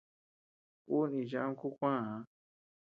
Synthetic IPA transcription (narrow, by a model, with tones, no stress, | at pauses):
ku˦nĩ˨ʒã˦ũ˦ku˦kʷã˦˨hã˧˦